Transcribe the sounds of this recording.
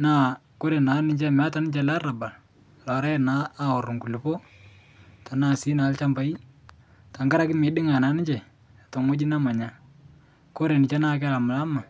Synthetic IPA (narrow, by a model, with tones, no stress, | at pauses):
naː˦˨ | ko˦ɾe˨na˨˦nɪ˨t͡ʃɛ˦˨m˨a˦ta˨nɪ˦t͡ʃa˦la˦ra˨ba˨l | lɔ˨ɾa˦ɛ˦naː˨˦ɔ˨rʊ˨ŋku˨lɪ˨po˦ | ta˨naː˦˨si˦na˨˦lt͡ʃa˦mba˨˦i˦ | ta˨ŋɡa˦ɾa˦kɪ˦mɪ˨ɗɪ˦ŋa˨na˨˦nɪ˦t͡ʃɛ˨ | to˨ŋo˦d͡ʒi˦na˦ma˨ɲa˨˦ | ko˦ɾe˨nɪ˨t͡ʃa˦naː˦k̬a˦˨la˨mʊ˨la˦ma˨